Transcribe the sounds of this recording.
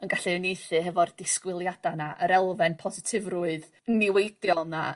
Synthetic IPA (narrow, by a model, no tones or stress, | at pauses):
ənɡaɬinejθɨɦɛvɔrdɪskwɪlˠjadanaʔəɾɛlˠvɛnpʰɔzɪtʰɪvruɨð | nɪwejdjɔlˠna̰